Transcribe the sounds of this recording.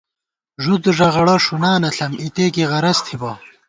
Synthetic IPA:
ʐud̪ʐɐʁɐɽɐʂunaːnɐɬɐmit̪eːkiʁɐɾɐst̪ʰibɐ

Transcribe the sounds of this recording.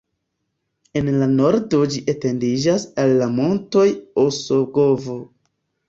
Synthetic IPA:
e̞nlano̞ɾdo̞d͡ʒiʔete̞ndid͡ʒasalːamo̞nto̞joso̞ɡo̞vo

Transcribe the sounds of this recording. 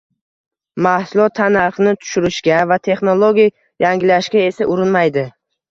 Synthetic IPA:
mahsʊlˠɒt̪ʰːanaɾχnɪt̪ʰʊ̥ʃʊɾɪʃkʲavat̪ʰe̞χnolˠoɡʲij | jaŋɡʲɪlaʃkʲae̞saʔʊɾɪnmajd̪ɪ

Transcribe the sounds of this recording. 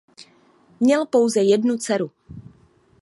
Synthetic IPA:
mɲɛlpowzɛjɛdnut͡sɛɾu

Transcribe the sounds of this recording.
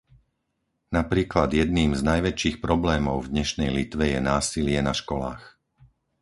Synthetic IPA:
napɾiːklad̪jɛd̪̚niːmznajʋɛt͡ʃiːxpɾɔblɛːmɔʊvd̪ɲɛʃnɛjlit̪ʋɛjɛnaːsilɪɛnaʃkɔlaːx

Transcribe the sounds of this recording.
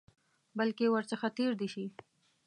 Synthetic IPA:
balkewəɾt͡səxat̪eɾd̪eʃi

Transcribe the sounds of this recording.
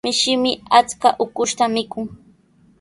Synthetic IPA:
mɪʃɪmɪat͡skaʔʊkʊʃt̪amɪkʊŋ

